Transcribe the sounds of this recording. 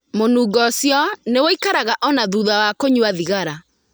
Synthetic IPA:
monuːɡɔsjɔnewoikaɾaɣaʔɔnaðuðawakoɲuaðiɣaɾa

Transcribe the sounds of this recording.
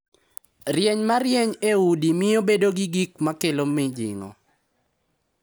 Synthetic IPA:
rjɛɲmaɾjeɲeudimɪjobedoɡiɡikmakelomɪd͡ʒɪ̰ŋɔ̰

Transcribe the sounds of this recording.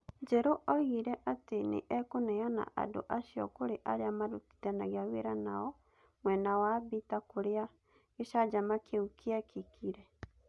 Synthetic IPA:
ɲd͡ʒɛɾoʔɔɣiɾɛʔatenḛʔɛkonɛana̰ʔa̰do̰ʔasiɔ̰koɾeʔaɾeamaɾoti̥tɛnaɣeaweɾana̰ɔ | mwɛnawabitakoɾea | eɕad͡ʒamakeukʰeɛkʰikʰiɾɛ

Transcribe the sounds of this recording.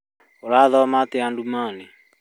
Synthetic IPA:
oɾaðɔmat̪ɪandumaːne

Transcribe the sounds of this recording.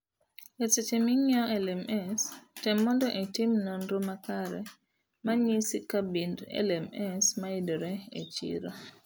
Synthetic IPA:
eset͡ʃemiɲɔɛlɛmʔɛstɛmːɔndɔʔetimnonɾomakaɾɛ̰ | maɲisikabindɛ̰lɛmɛsmaidoɾɛḛt͡ʃḭɾo

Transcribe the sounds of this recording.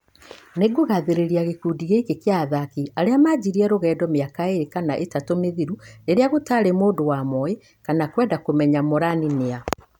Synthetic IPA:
neɡoɣaðeɾeɾiaɣekuːdiɣekekeaðakiaɾeamad͡ʑiɾiɛɾoɣɛːdɔmeakaeɾekanaʔetatomeðiɾueɾeaɣotaːɾemoːdowamɔe | kanakwɛːndakomɛɲamoɾaninea

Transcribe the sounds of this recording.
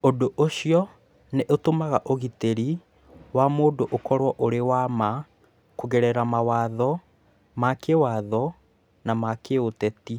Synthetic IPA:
odoʔoɕiɔ | neʔotomaɣaʔoɣiteɾi | wamoːdoʔokɔɾwɔʔoɾewama | kuɣɛɾɛɾamawaðɔ | makewaðɔ | namakeotɛti

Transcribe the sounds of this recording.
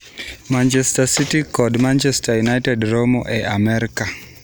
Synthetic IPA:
mant͡ʃɛstasitikɔdmant͡ʃɛstajunajtɛdromoʔɛʔamɛɾika

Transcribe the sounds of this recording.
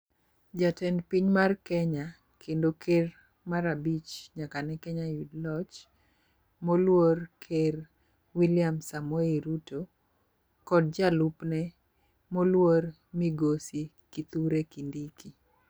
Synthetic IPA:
d͡ʒatɛnpiɲmarkɛɲa | kʰendoker | maɾabit͡ʃɲakanɛkɛɲajudlɔt͡ʃ | molworkʰer | wiljamsamweiɾuto | kɔd̚d͡ʒalupnɛ | molwoɾ | miɡosi | kit̪uɾekindiki

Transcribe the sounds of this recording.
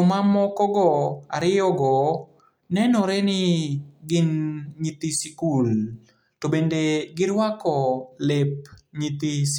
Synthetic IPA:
omamɔkɔɡɔaɾɪjɔɡɔ | nɛnɔɾɛnɪɡɪnɲit̪isikul | tobendeɡɪɾwakɔlep̚ɲit̪is

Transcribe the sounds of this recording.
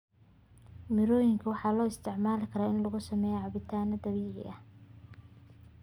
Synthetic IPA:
mɪɾɔːjɪŋkʰʊwɑħɑːlɔːɪst̪ʰɪʕmaːlɪkʰɐɾaːɪnlɐɣʊsɐmɛːjɛʕɑbɪt̪ʰaːnɐd̪ɐβiːʕɪ̰ʔɐh

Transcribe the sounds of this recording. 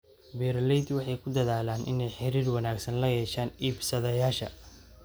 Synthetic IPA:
bɛːɾlɛjd̪wɑħɑjkʰʊd̪ɐðaːlaːnʔɪ̰nɛjħɪɾiːrwɐnaːɡsɐnlɐjɛːʃaːniːbsɐðɐjaːʃɐ

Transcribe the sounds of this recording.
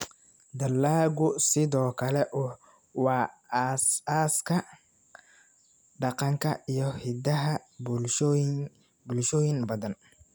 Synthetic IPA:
d̪ɐlːaːɣʊsɪðɔːkʰɐlɛʔʊ | wɑːsaːskʰɐ | ɖɑqɑŋkʰɐ̰ijɞhɪdɐɦɐb | bʊlʃɔːjɪŋbɐðɐn

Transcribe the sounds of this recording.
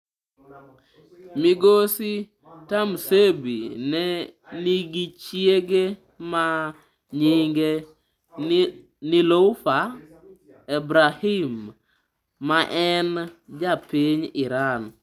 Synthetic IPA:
mɪɡosi | tamsebḭnɛniɡit͡ʃjeɡe | ma | ɲɪŋɡe | niloʊfa | ebɾahimː | aʔɛnd͡ʒapiɲɪɾan

